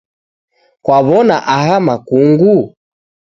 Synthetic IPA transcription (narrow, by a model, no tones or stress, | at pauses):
kwaβɔnaʔahamakuŋɡu